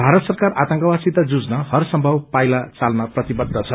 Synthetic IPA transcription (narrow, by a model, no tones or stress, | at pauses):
bʱaɾʌt̪sʌrkarat̪ʌŋkʌwasit̪ad͡zud͡znʌhʌrsʌmbʱʌwpajlat͡salnʌprʌt̪ibʌd̪ʱːʌt͡sʰʌ